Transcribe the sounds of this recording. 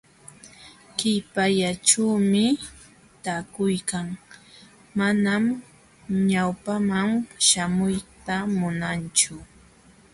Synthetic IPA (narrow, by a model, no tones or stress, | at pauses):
kɪjpaʎaʈ͡ʂaːmɪ | t̪aːkʊjkaŋ | manam | ɲawpamamʃamʊjt̪amʊnant͡ʃʊ